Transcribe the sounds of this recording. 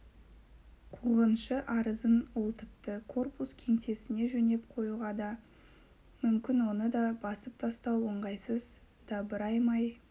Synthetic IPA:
qʰuʁənʃəʔɑɾəzənolˠt̪əp̚t̪əkʰo̞rpuskʲʰe̞ŋse̞sɪne̞ʒɵne̞p̚qʰo̞juʁɑd̪ɑ | mʏmkʲɪnwo̞nəd̪ɑbɑsəp̚t̪ʰɑst̪ɑwoɴʁɑjsəz | d̪̥ɑbəɾɑjmɑj

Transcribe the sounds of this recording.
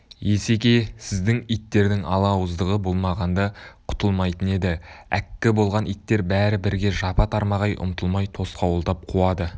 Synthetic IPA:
je̞se̞kʲe̞sɪzd̪ɪŋijt̪ːe̞ɾd̪ɪŋɑ̰lˠɑwəzd̪əʁəbo̞lˠmɑʁɑnd̪ɑqʰʊ̥t̪əlˠmɑjt̪əne̞d̪ɪæ̰kʲːɪbo̞lˠʁɑnijt̪ːe̞ɾbæɾɪbɪɾɡʲe̞ʒɑpɑt̪ʰɑɾmɑʁɑjʔʊ̰mt̪əlˠmɑjt̪ʰo̞sqɑwʊlˠt̪ɑp̚qʰuɑd̪ə

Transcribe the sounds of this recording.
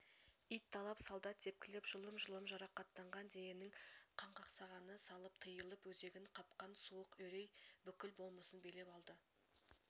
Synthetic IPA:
ijt̪ʰːɑlˠɑpsɑlˠd̪ɑt̪ːʰe̞p̚kʲɪlɪpʒ̥ʊlˠəmʒʊlˠəmʒɑɾɑqɑt̪ːɑɴʁɑnd̪ejenɪŋqʰɑɴqɑqsɑʁɑnəsɑlˠəp̚t̪ʰəjəlˠəpwɵze̞ɡʲɪnqʰɑp̚qɑnsuwəqɵɾejbʏkʲɪlbo̞lˠməsənbe̞le̞pɑlˠd̪ə

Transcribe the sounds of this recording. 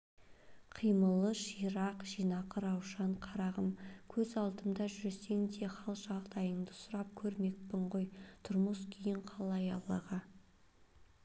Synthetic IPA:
qʰijməlˠəʃiɾɑqʒ̥ijnɑqəɾɑwʃɑɴqʰɑɾɑʁəmkʲʰɵzɑlˠd̪əmd̪ɑʒʏɾese̞ŋd̪e̞χɑlˠʒɑʁd̪ɑjəɴd̪əsʊɾɑp̚kʲʰɵɾme̞k̚pɪɴʁojt̪ʰʊɾməskʲʰejɪɴqʰɑlˠɑjɑlˠɑʁə

